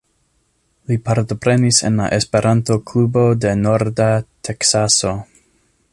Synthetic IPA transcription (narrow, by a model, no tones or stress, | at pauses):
lipaɾto̞pɾe̞nisḛnla̰ʔe̞spe̞ɾʔanto̞klubo̞de̞no̞ɾdatʰe̞ksaso̞